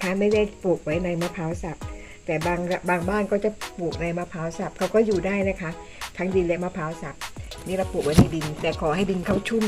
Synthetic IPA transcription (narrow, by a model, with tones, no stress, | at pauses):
kʰa˦˥ma˥˩jda˥˩jpu˨˩k̚wa˦˥jna˧jma˦˥pʰaː˨˦˥wsa˨˩p̚ | t̪ɛː˨˩baː˧ŋa˧baː˧ŋbaː˥˩nkɔː˥˩t͡ɕa˨˩puː˨˩k̚na˧jma˦˥pʰaː˦˥wsa˨˩p̚kʰa˦˥wkɔː˥˩juː˨˩daː˥˩jna˦˥kʰa˦˥ | t̪ʰa˦˥ŋdi˧nlɛ˦˥maː˦˥pʰaː˦˥wsa˨˩p̚niː˦˥˩ɾa˧wpu˨˩k̚wa˦jna˧˥˩jbi˧nlɛː˨˩kʰɔː˨˩˦ɦa˥˩jbi˧nkʰa˥˩wt͡ɕʰu˥˩m